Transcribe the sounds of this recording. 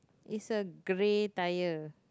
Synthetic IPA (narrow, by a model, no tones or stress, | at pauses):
ʔɪsəɡɾetajə